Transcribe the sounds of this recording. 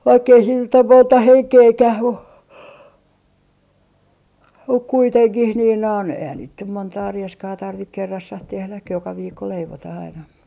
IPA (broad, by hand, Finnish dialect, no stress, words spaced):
ʋɑikː ei siːn nyt om montɑ heŋkeːkæh mu muk kuiteŋkih niːn non eihæn niːt nym montɑː rieskɑː tɑrʋik kerːɑsːɑh tehlæk jokɑ ʋiːkːo leiʋotɑh ɑinɑ